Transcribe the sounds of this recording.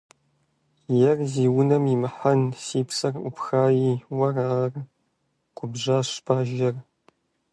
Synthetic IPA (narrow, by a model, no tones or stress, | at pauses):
jɛrziːwʊnɐmimɨħɐnsiːpʰsɐrʷʊ̰pxaːjiːwɐraːr | qʷʊbʒaːʃpʰaːʒɐr